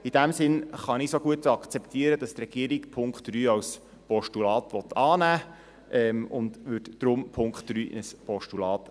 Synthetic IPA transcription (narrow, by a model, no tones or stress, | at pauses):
id̥æmsɪnχɑnisoɡ̥uətɑkt͡sɛpt̪iəɾəd̥ɑst̪rɛɡ̥iəɾikpʰʊŋkχtɾyːɑws | pɔʃtulɑːtʋɔt̪ʰɑːnæː | ʔɛmʊndʋʉtd̥ɾʊmpʰʊŋkχtd̥ɾy̰ːnəspɔʃtulɑːt̪